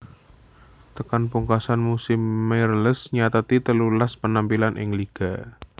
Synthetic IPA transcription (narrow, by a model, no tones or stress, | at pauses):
t̪əkanpuŋkasanmusɪmːeɾələsɲat̪at̪it̪əlulaspənampilanʔɪ̰ŋliɡ̥a